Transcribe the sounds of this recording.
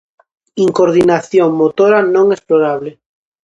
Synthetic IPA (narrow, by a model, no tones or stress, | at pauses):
iŋkoɾðinaθjoŋmot̪oɾanõŋesploɾaβ̞le